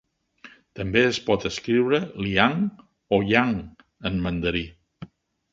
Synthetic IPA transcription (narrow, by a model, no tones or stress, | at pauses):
t̪əmbeəspɔt̪əskɾiwɾəliaŋ | oʎaŋ | ənmənd̪əɾi